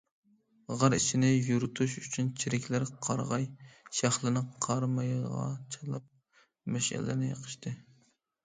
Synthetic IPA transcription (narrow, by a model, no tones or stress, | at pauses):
ʁɑɾit͡ʃʰɪnɪjuɾut̪ʰuʃyt͡ʃʰynt͡ʃʰiɾɪkʲlæɾqʰɑɾʁɑjʃæχlˠɨnɨqʰɑɾmɑjʁɑ̰t͡ʃʰɑlˠɑp̚ | mɛʃɪ̰lɪ̰nɪjə̰qʰə̥ʃt̪ʰɨ